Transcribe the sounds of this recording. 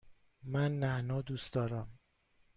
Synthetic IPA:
mænːæʔnɒːd̪uːsd̪ɒːɾæm

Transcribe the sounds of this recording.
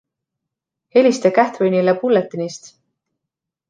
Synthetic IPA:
he̞lʲist̪ekæht̪vɤjnʲilepulːet̪ːˑinist̪

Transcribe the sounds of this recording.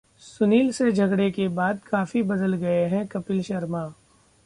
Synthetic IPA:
sʊniːlsed͡ʒʱɐɡɽekebaːd̪kaːfibɐd̪əlɡɐeɦɛ̃kɐpɪlʃɐɾmaː

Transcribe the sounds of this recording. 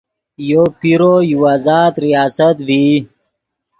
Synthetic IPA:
jopiɾojuwaːzaːt̪ɾijaːsət̪vi

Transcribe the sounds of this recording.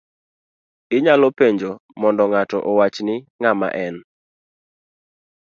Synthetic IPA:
ɪɲalɔpeɲd͡ʒomɔndɔŋatɔʔɔwat͡ʃnɪŋama̰ʔɛn

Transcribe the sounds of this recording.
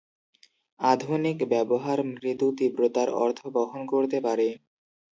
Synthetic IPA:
ad̪ʱonikbɛboɦaɾmɾit̪ut̪ibɾot̪aɾɔ̰ɾt̪ʰobɔɦonkoɾt̪epaɾe

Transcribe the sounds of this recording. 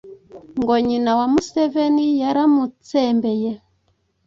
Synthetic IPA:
ŋɡoɲinawamusevenijaɾamut͡sembeje

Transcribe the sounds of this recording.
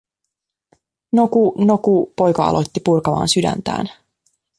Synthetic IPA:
nokuno̞kupo̞jkɑɑ̰lʔot̪ːipurkɑʋɑ̰ːnsydæ̰nt̪æ̰ːn

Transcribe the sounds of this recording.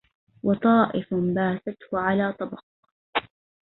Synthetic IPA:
wʔɑt̪ˤɑːʔɪfbaːθat̪hʊʕalaːt̪ˤɑbɑq

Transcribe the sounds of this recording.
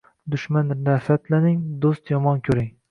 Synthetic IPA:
d̪ʊʃmand̪afat̪lanɪŋd̪ost̪jɒmɒnkʲʰɵɾɪŋ

